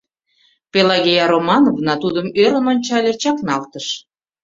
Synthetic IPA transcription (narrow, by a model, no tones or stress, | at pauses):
pelɑɣʲejɑɾomɑnovnɑt̪ud̪əmøɾə̆nonʲt͡ɕɑlʲet͡ɕɑknɑlt̪əʃ